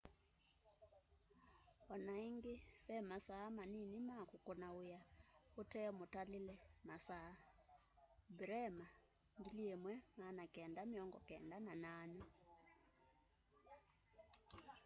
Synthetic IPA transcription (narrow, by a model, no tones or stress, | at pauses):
ɔnaiŋɡefɛmasaːmaninimakokonaojaotɛɔmotalelɛmasa | bɾɛma | ŋɡiliemwɛmanakɛndamiɔŋɡɔ̰kɛːndananana